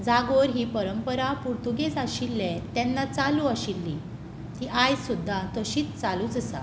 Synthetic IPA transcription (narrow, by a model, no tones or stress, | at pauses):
d͡zaɡoɾɦiːpəɾəmpəɾapuɾt̪uɡesaɕilːet̪ɛnːat͡saluaɕilːi | t̪iʔajsud̪ʱːat̪əɕiːt͡st͡salut͡səsa̰